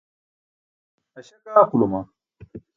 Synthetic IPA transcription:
ɐɕɐɡaːkuloma

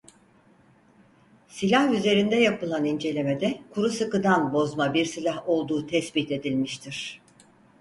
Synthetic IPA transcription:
silʲahyze̞ɾind̪ɛjapɯlˠanind͡ʒe̞lʲe̞med̪ɛkʰuɾusɯkɯd̪anbo̞zmabiɾsilʲaɦo̞lˠd̪uːt̪ʰɛsbit̪e̞d̪ilʲmiʃt̪ʰiɾ̥

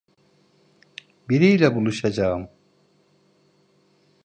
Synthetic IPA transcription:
biɾijɾabuluʃad͡ʑaːm

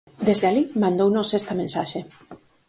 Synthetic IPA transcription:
d̪ezðealimãnd̪ownosest̪amẽnsaʃe

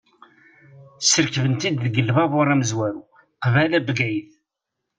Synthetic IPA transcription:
səɾkəvənt̪id̪ðəɡəlvævʊɾˤːæməzwæɾu | qvælæbɡæjəθ

